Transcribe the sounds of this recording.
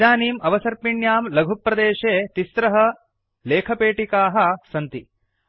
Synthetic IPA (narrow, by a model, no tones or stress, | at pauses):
aːniːmɐʋɐsɐɾpiɳjaːmlɐɡʱupːɾɐd̪eːʃeːt̪ist̪ɾɐɦɐ | leːkʰɐpeːʈikaːɦɐ̆sɐnt̪i